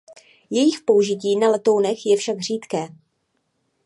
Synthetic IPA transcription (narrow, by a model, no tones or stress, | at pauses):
jɛjɪxpo̞uʒɪciːnalɛt̪ownɛxjɛfʃaɡr̝iːt̪kɛː